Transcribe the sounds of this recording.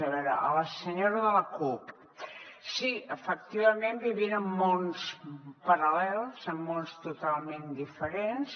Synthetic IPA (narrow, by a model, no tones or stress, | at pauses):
əβɛɾə̰ʔə̰ləsəɲoɾəðələkup | siəfək̚t̪iβəmembiβinəmːonspəɾəlɛlˠzəmːonst̪ut̪alˠmẽnd̪ifəɾens